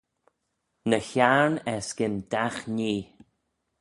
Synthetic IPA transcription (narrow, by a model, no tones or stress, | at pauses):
nəçaɹnɛsɡ̥ɪnd̪̥axniː